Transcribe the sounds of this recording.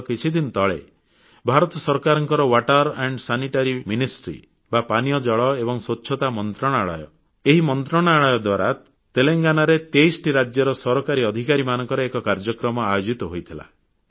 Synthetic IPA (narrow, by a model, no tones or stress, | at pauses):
kit͡ʃʰid̪inɔt̪ɔɭḛ | bʱaɾɔt̪ɔsɔɾkaɾɔŋkɔɾɔwaʈaɾeɳɖsaniʈaɾiminisʈɾḭ | bapanijɔd͡ʒɔɭɔebɔŋswotːʃʰɔt̪amɔnt̪ɾɔɽ̃aɭɔ̰jɔ | eɦimɔnt̪ɾɔɽ̃aːɭɔjɔd̪waɾa | t̪eleŋɡanaɾet̪ejsʈiɾad͡ʒjɔɾɔsɔɾɔkaɾiɔd̪ʱikaɾimanɔŋkɔɾeekɔkaɾd͡ʒɔkɾɔmɔajod͡ʒit̪ɔɦojt̪ʰila̰